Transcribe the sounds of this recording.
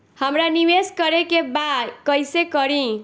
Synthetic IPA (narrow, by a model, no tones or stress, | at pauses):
həmɾaniweskʌɾekebakʌjsekʌɾĩ